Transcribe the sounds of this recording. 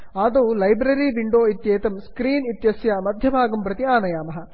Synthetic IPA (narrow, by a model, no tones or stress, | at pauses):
aːd̪oːlɐjbɾɐɾiːʋiɳɖoːit̪jeːt̪ɐmskɾiːnit̪jɐsjaːmɐd̪ʱjɐbʱaːɡɐmpɾɐt̪iaːnɐjaːmɐɦɐ̆